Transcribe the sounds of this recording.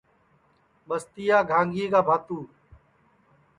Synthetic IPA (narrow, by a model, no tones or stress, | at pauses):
ɓəst̪ijaːɡʱãːŋɡʱiːɡaːbʱaːt̪uː